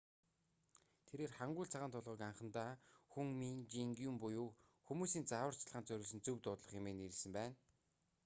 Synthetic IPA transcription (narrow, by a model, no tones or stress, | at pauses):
t̪ʰeɾeːrχaɴɢʊːɮɬt͡sʰaʁaːnt̪ʰʊɮʁɞ̆ːkaɴχə̆nt̪aːxuŋmiŋt͡ɕiŋɡumpʊjuːxumuːsiːnt͡sawə̆r̥t͡ɕʰɮʁaːnt͡sœɾʲʊ̆ːɮsɘ̆nt͡sɵwt̪ʊːt̪ɮɞ̆χemeːniɾ̆sɘ̆mpæːn